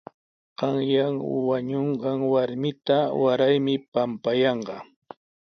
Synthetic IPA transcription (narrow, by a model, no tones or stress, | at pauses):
ɢ̥ɑŋjaŋwaɲoɴɢɑŋwaɾmɪt̪awaɾajmɪpampajɑɴɢɑ